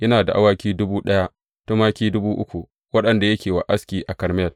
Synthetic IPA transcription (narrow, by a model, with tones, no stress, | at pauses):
jɐ˦naː˨da˨ʔa˦waː˦kʲiː˦dʊ˦buː˦ɗɐ˦ja˦ʔ | tɐ˦maː˦kʲiː˦dʊ˦buː˦ʔʊ˦kʷu˨ | wɐ˦ɗɐ˨nda˨jɐ˦kʲeː˨wa˨ʔa˦skʲiː˨ʔa˨kɐ˨ɾmɛ˦˨l